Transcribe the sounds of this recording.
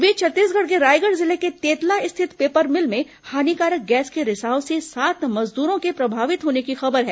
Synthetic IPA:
ʋet͡ʃʰɐt̪ːiːsɡəɽk̬eɾaːjɡəɽzɪleket̪eːt̪laɪst̪ʰɪt̪peːpəɾmɪlmẽ | haːnikaːɾək̚ɡɛːskeɾɪsaːõsesaːt̪ʰmɐzd̪uːɾõkepɾɐbʱaːʋɪt̪ɦoːnekixɐbəɾɦɛː

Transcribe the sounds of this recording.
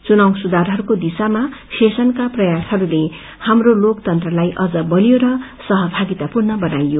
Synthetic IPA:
t͡sunaw̃sud̪arɦʌɾukod̪isamasesʌnkaprʌjasɦʌɾule | hamrolokt̪ʌnt̪rʌlajʔʌd͡zʌbʌlijoɾʌsʌɦʌbʱaɡit̪apurnʌbʌnajːo

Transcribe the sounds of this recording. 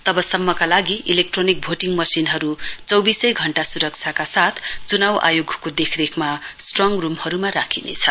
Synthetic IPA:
t̪ʌbʌsʌmːʌkalaɡiʔilek̚ʈronik̚bʱoʈiŋmʌsinɦʌɾut͡sʌwbisʌjɡʱʌɳʈasuɾʌk̚t͡sʰjakasat̪ʰt͡sunawʔa̰joɡʱkod̪ekʰɾekʰmasʈrʌŋrumhʌɾumaɾakʰinḛt͡sʰʌ

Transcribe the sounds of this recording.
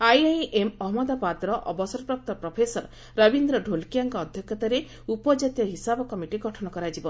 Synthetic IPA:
ajajʔemɔɦmɔd̪apat̪ɾɔʔɔbɔsɔɾɔpɾɔk̚t̪ɔpɾɔpʰesɔɾ | ɾɔbind̪ɾɔɖʱolkijaŋkɔːd̪ʱjɔkʰːɔt̪aɾe | upɔd͡ʒat̪jɔɦisabɔkɔmiʈiɡɔʈʰɔnɔkɔɾad͡ʒibɔ

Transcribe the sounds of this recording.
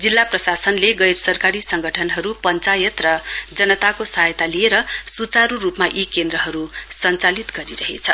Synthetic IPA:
d͡zilːaprʌsasʌnleɡʌjɾsʌrkaɾisʌŋɡʱʌʈʰʌnɦʌɾupʌnt͡sajʌt̪rʌd͡zʌnʌt̪akosajt̪alieɾʌsut͡saɾurupmaʔikend̪ɾʌɦʌɾusʌnt͡salit̪ɡʌɾiɾʌɦḛt͡sʰʌ

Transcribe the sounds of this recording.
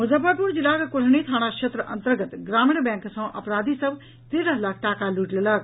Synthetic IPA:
muzabapuɾd͡ʒilaːɾɐkuʈʰnit̪ʰaːɽ̃akʃʰet̪ɾəʔɐ̰̃nt̪əɾɡət̪ɡɾaːmiɳbɛ̃ːŋksə̃w̃ʔɐpɾaːd̪isəb | t̪eːɾəɦlaːk̚ʰʈaːkaluʈlelək̚

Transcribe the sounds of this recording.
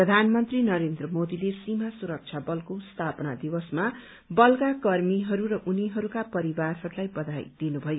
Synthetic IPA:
prʌd̪ʱanmʌnt̪rinʌɾend̪rʌmod̪ilesimasuɾʌk̚t͡ʃʰabʌlkost̪ʰapʌnad̪iwʌsma | bʌlkakʌrmiɦʌɾuɾʌʔuniɦʌɾukapʌɾibarɦʌɾulajbʌd̪ajd̪̥inubʱʌjo

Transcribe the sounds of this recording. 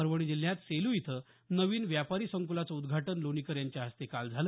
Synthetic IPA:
əɾʋəɽ̃id͡ʑil̤ːjat̪selujit̪ʰə | nəʋiːnʋjapaɾiːsəŋkulat͡səud̪ɡʱaʈənlonikəɾjaɲt͡ɕjaɦəst̪ekald͡zʱalə

